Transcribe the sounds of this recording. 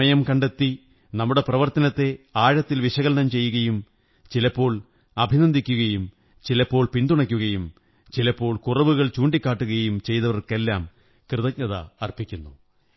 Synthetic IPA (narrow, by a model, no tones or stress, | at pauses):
ɐjɐmkɐɳɖe̞t̪ːi | nɐmːuɽe̞prɐʋɐrt̪ɐnɐt̪ːe̞aːɻɐt̪ːilʋiʂɐɣɐlnɐmt͡ɕe̞jːuɣɐjum | t͡ɕilɐpːo̞ːɭ | ɐbʱinɐnd̪ʱikʲːuɣɐjum | t͡ɕilɐpːo̞ːɭpind̪uɳɐkʲːuɣɐjum | t͡ɕilɐpːo̞ːɭkurɐʋuɣɐɭt͡ɕuːɳɖikʲːaːʈːuɣɐjumt͡ɕe̞jt̪ɐʋɐrke̞lːaːm | krɨðɐk̚ɲɐðɐ̰ɐrpikʲːunːu